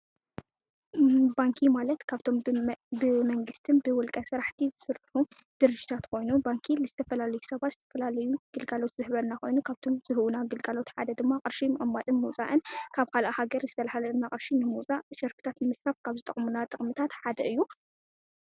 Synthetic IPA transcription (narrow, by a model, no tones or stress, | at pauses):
baŋkʰimalɐt̪kʰaβt̪ʰo̞mbɨmɐŋɡɨst̪ʰɨnbɨwʊlkʼɐsɨɾaħt̪ʰizɨsɨɾʼħu | d̪̥ɨɾɨd͡ʒit̪ʰat̪kʰo̞jnubaŋkʰilɨzɨt̪ʰɐfɐlalɐjusɐβat̪z̥ɨt̪ʰɐfɐlalɐjuɡ̥ɨlɡalo̞t̪zɨhβɐnako̞jnukʰaβt̪ʰo̞mzɨhɨwunaɡɨlɡalo̞t̪ħa̰d̪ɐd̪ɨmːaqʼɨɾʃimʔamːat̪ʼɨnmuwt͡sʼa̰ʔɨnkʰaβkʰalʔahaɡɐɾzɨt̪ʰɐlahalɐɨnːaχʼɨɾʃinɨmut͡sʼaʃɐɾfɨ̥t̪ʰat̪nɨmɨsɾafkʰaβzɨt̪ʼɐχʼmunat̪ʼɨχʼmɨt̪ʰat̪ħad̪ɐʔɨjːu